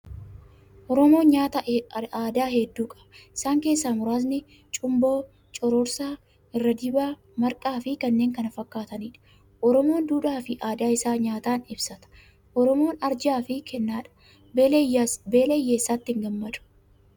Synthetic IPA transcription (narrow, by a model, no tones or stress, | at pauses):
ʔɔɾɔmo̞ːɲaːt̪ɐaːd̪aːhɛd̪ːuːkʼɐ̥bɐɪsaːŋke̞ːsːaːmʊɾaːz̬nɪ | t͡ʃʼʊmbo̞ː | t͡ʃʼɔɾɔɾsaː | ɪrːɐd̪ɪbaː | mɐɾkʼaːfɪkɐnːe̞ːŋkɐnɐfɐkːaːt̪ɐniːᶑɐ̥ | ʔɔɾɔmo̞ːnd̪uːᶑaːfɪʔaːd̪aːɪsaːɲaːt̪aːnɪbsɐt̪ɐ̥ | ʔɔɾɔmo̞ːnɐɾd͡ʒaːfɪkʰɛnːaːᶑɐ̥ | beːlejːeːsːaːt̪ːɪŋɡɐmːɐᶑ̪ʊ̥